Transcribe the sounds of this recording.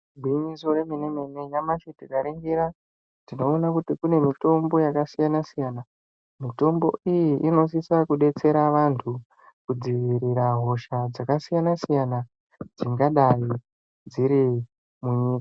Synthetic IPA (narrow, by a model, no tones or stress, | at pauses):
bʱwiɲisoreminemeneɲamaʃetikaɾeŋɡeɾa | dino̞ːnakutikune̞mito̞mbo̞jakasijanasijana | mito̞mbo̞̰ijiʔino̞s̬isakuɗe̞t͡se̞ɾaʋantʰu | kud͡ziʋiɾiɾaɦo̞ʃad͡zakasijanasijana | d͡ziŋɡaɗai | d͡ziɾi | muɲiːkḁ